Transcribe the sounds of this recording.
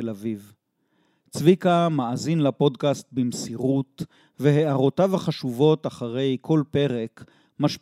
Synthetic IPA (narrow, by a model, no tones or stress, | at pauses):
elaviv | t͡svikamaazinlapo̞dkast̪̚bimsiʁut | veɦeʔaʁo̞tavaχaʃuvo̞taχaʁe̞jkʰo̞lpe̞ʁe̞k | maʃ